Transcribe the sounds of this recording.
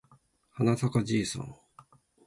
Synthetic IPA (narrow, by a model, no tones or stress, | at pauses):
hanatakad͡ʑiːsõ̰ŋ